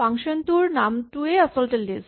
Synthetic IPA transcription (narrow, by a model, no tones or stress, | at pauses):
aŋʃont̪uɾnamʈueɐsɔlʈelːis